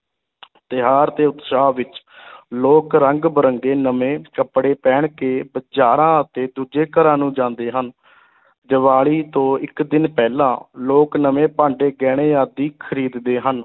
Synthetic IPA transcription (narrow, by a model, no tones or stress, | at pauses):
t̪ɪɦaːɾt̪eːʊt̪saːʋɪt͡ʃ | loːkɾəŋɡbəɾəŋɡeːnəmẽːkəpɽeːpɛːɳkeːbəd͡ʒaːɾãːət̪eːd̪uːd͡ʒeːkəɾãːnũːd͡ʒãːnd̪eːɦən | d͡ʒəʋaːɭiːt̪õːɪkd̪ɪnpɛːlãːloːknəmẽːpãːɳɖeːɡɛːɽ̃eːaːd̪iːkʰəɾiːd̪d̪eːɦən